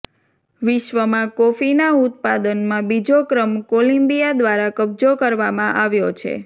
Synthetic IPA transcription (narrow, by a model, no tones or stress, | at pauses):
ʋɪʃʋəmãkofinaut̪pad̪ənmãbid͡ʒokɾəmkolimbijad̪ʋaɾakəb̚d͡ʒokəɾʋamãʔaʋjot͡ʃʰḛ